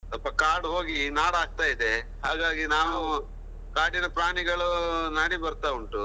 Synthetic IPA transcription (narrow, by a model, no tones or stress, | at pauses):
sɐpːɐkaːɾɽɦo̞ːɡinaːɽaːɡ̚t̪aːjid̪e | ɦaːɡaːɡinaːʋu | kaːɽinɐpɾaːɳiɡɐɭunaːɽibɐɾt̪auɳʈu